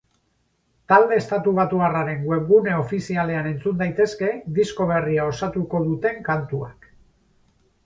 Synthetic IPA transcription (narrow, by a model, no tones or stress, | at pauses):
t̪ald̪e̞ːst̪at̪uβ̞at̪uɣaraɾe̞ŋɡwe̞ŋɡune̞o̞fisiale̞ane̞nt͡sund̪ajt̪e̞ske̞d̪isko̞β̞e̞riao̞sat̪uko̞ðut̪e̞ŋkant̪uak